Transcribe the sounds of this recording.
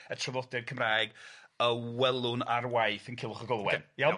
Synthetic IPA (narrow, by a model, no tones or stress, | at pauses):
ətʰrəvlˠɔdɛrkʰəmraːjɡəwɛlˠʊnarwajθənkʰɪlˠʊχəɡɔlˠwɛnja